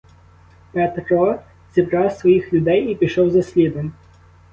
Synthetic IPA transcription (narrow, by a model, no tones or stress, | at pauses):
pɛt̪ɾɔ | z̥ʲibɾɑwsʋɔjixlʲʊd̪ɛjipʲiʃɔwzɐsʲlʲid̪ɔmʲ